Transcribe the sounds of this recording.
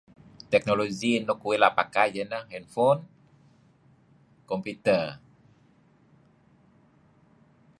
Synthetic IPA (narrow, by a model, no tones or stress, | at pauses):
t̪ɛk̚noloɡinokuwilapakajd͡ʒənahɛnfon | kɔmput̪ə